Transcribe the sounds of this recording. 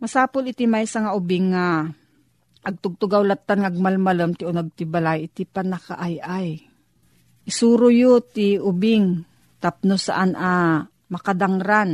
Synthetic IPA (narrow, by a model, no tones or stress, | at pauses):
mɐsaːpʊlɪt̪imajsaŋaʔʊbɪŋːa | ʔɐɡ̚t̪ʊɡ̚t̪ʊɡawlat̪ːanŋaɐɡ̚malmaləmt̪ɪʔonɐɡ̚t̪ɪbalajɪt̪ɪpanɐka̰ʔajʔaj | ʔɪsuːɾʊjot̪ɪʊbɪŋ | t̪ap̚nosa̰ʔana | mɐkad̪aŋɾan